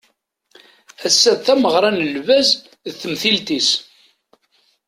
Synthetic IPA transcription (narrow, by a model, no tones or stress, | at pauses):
æsːæðθæməʁɾˤɑnəlvæz | ðθəmθilt̪is